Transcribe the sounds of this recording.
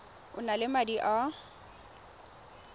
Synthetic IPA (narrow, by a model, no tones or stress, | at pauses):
ʊnalɪmadiʔa